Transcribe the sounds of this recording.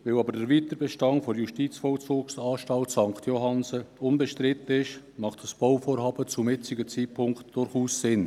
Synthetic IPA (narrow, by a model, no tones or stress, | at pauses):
vɛlɑbəɾdəɾviːt̪əɾbɛʃtɑŋfɔjuʃtiːt͡sfɔlt͡sʊːksɑːʃtɑltsɑŋkt̪ʰjoɦɑnsəʊnbɛʃtɾɪt̪əɪʃ | mɑχtd̥əsb̥oʊfoːɾhɑːbət͡sumɪt͡sɪɡət͡siːt̚pʰʊŋktd̥ʊɾχuːssɪn